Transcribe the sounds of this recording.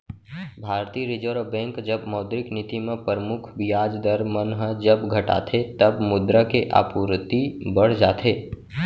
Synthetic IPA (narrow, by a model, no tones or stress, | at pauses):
bʱaːɾt̪iːɾɪd͡ʒoɾbɛ̃ːŋkd͡ʒəbmɔːd̪ɾɪknɪt̪imẽpəɾəmʊkʰʋɪjaːd͡ʒd̪əɾmənɦəd͡ʒəbɡʱəʈa̰ːt̪ʰet̪əbmʊd̪ɾəkeʔa̰ːpuɾt̪ibəɽ̤d͡ʒaːt̪ʰeː